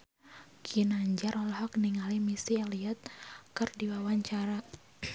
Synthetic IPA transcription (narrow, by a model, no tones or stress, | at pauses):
kʰinaɲd͡ʒaɾɔlɔhɔkniŋalimisialiat̪̚kɨrdiwawaɲt͡ʃaɾa